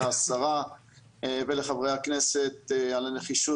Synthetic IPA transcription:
aasaʁa | veleχavʁejhaknese̞t̪alaneχiʃu

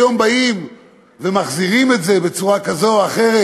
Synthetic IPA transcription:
jo̞mbaim | vemaχziʁime̞tzebe̞t͡suʁakazo̞aχeʁe

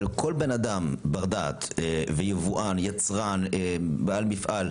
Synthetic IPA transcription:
lko̞lbenad̪ambaʁd̪at̪vejevuʔanjat͡sʁanebaalmifʔal

